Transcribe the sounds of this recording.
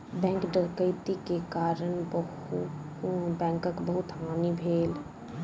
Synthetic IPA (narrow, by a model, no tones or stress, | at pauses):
bɛ̃ːŋkɖəkəɪt̪ikekaːɾənbəhu | bɛ̃ːŋkəkbəɦʊt̪ɦaːnibʱeːl